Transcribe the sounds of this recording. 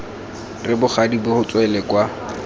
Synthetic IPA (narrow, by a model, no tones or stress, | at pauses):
rɪbʊχadibʊhʊt͡sʼwɛlɛkwa